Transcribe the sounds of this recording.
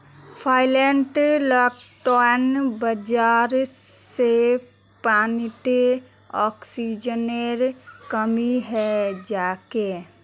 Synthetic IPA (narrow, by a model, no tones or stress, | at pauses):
pʰaːɪleɳʈlɔːkʈɔnbəd͡ʒaːɾse | paːniʈe | ɔːksid͡ʒəneɾkəmiɦɛd͡ʒaːke